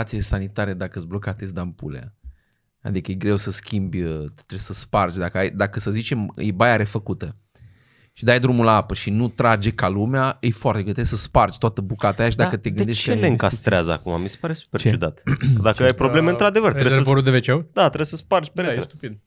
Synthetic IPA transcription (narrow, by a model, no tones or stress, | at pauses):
at̪sijesanit̪aɾed̪akəɨzblokat̪esʲd̪ampulḛa̰ | a̰d̪ikəjeɡɾe̞wsəskʲimbʲjət̪t̪ɾesəspart͡ʃʲd̪akəajd̪akəsəzit͡ʃe̞mjebajaɾe̞fəkut̪ə | ʃid̪ajd̪ɾumulaapəʃinut̪ɾad͡ʒe̞kalumeaɨjfoaɾt̪eɡot̪ɾesəspart͡ʃʲt̪oat̪əbukat̪aːjaʃid̪akət̪eɡɨd̪eʃt͡ʃeleɨŋkast̪ɾeazəa̰kumamise̥paɾe̞su̥peɾt͡ʃud̪at̪d̪aəajpɾo̞ble̞meɨnt̪ɾad̪e̞vərt̪ɾssvoɾuld̪evet͡ʃewd̪at̪ɾebsəspart͡ʃʲpeɾeest̪upid̪̚